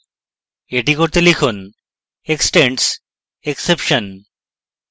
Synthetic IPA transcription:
eʈikoɾt̪elikʰon | eksʈẽɳʈs | eksepʃən

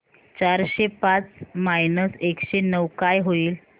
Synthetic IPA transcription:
t͡ɕaɾɕepat͡smajnəsekɕenəwkajɦoiːl

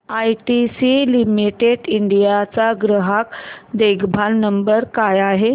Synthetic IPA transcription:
ajʈisilimiʈeɽiɳɖijat͡saɡɾəɦakd̪eɡbʱalnəmbəɾkajaɦe

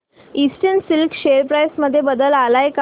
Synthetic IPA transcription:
isʈəɳsilkɕeɾpɾajsməd̪ʱːjebəd̪əlalajk

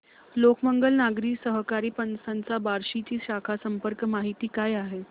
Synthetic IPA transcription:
lokməŋɡəlnaɡɾiːsəɦkaɾiːpənsãnt͡sabaɾɕit͡ɕiːɕakʰasəmpəɾkmaɦit̪iːkajaɦe

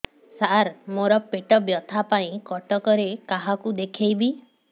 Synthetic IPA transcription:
saɾmoɾɔpeʈɔbjɔt̪ʰapaĩkɔʈɔkɔɾekaɦakud̪ekʰejbi

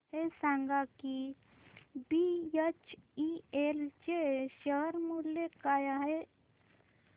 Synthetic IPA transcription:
ɦesaŋɡaki | bijət͡ʃielt͡ʃeʃəɦəɾmulːekajaɦe

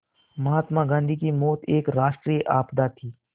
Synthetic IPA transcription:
məɦaːt̪mãːɡãːnd̪ʱiːkimɔːt̪ʰeːkɾaːʃʈɾijʔaːpd̪aːt̪ʰiː

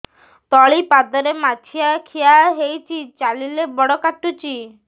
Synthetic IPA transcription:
t̪ɔɭipad̪ɔɾemat͡ʃʰiakʰijaɦejt͡ʃʰit͡ʃalilebɔɽɔkaʈːut͡ʃi

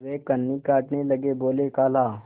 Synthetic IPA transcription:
ʋeːkənːikaːʈnelɐɡeboːlekaːlaː

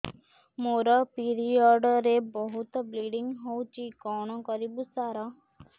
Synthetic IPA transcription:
moɾɔpiɾiɔɖɔɾebɔɦut̪ɔbliɖiŋɦowt͡ʃikɔɽ̃ɔkɔɾibusaɾɔ

